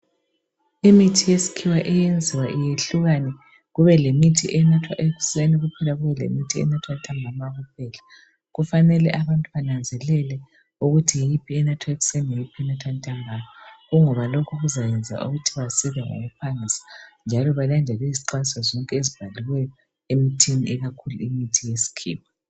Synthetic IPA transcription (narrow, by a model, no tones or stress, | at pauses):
imitʰijesi̥kʰiwaʔɛjend͡zʱiwaʔijeɬuɣanɛ | ɣuβɛlemitʰiʔɛnatʰwa̰ʔeɣu̥seniɣupʰɛlaɣuβɛlḛmitʰiɛ̰natʰwatʼʰambʱamaɣup̚ʰɛːla | ɣufanɛlɛʔaβantʼuβanand͡zʱɛlɛlɛ | uɣutʰijejipʰiɛnatʰwaeɣu̥sɛnieipʰiɛnatʰwantʼambʱajɔɣuŋɔβalokʰuɣuzajɛnd͡zʱa̰ʔṵɣutʰiβasiβɛŋo̰ɣupʰaŋisḁnd͡ʒʱalɔβalandʱɛlɛiziǃasazɔŋkʼɛezib̥ʱaliwɛjɔ | emitʰiniɛɣakʰuluimitʰijesi̥kʰḭːp̚ʰɔ